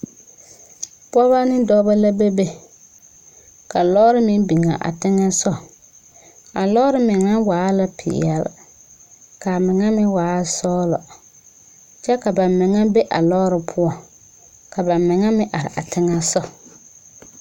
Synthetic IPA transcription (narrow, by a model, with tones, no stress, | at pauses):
pɔ˦βa˦nɪ˦dɔ˦ba˦la˦be˦be˦ | ka˨lɔ˦ɾɪ˦mɪ˦n˦bi˨ŋa˨ʔa̰˨tɪ˦ŋa˦sɔ˦ | a˨lɔː˦ɾɪ˦mɪ˨ŋa˦waː˨˦la˦pʰɪ̰˨ja̰˨l | ka˨mɪ˨ŋa˦mɪ˦waː˨˦sɔː˦lɔ̰˨ | t͡ʃɛ˦ka˨ba˨mmɪ˨ŋa˦be˦ʔa̰˨lɔː˦ɾɪ˨pʰʊ˦ɔ˨ | ka˨ba˨mmɪ˨ŋa˦mɪ˦ʔa˨ɾɪ̰˨a̰˨tʰɪ˦ŋa˦sɔ˦